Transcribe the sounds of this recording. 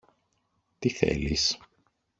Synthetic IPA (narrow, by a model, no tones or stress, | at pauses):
t̪iθḛlis